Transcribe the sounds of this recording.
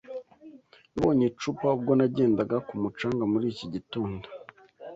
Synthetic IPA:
nuβoɲet͡ʃupaub̚ɡo̞naɟe̞ːndaɡakumut͡ʃaːŋɡamuɾiːciɟituːndo

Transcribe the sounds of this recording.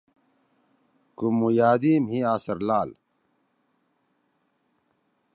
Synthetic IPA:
kumːujaːd̪iːmɦĩaːsɐɾlaːl

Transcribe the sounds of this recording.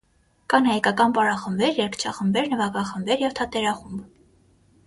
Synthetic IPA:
kɑnhɑjkɑkɑnpɑɾɑχəmbɛɾjɛɾkʰt͡ʃʰɑχəmbɛɾnəvɑkɑχəmbɛɾjɛvt̪ʰɑt̪ɛɾɑχumb

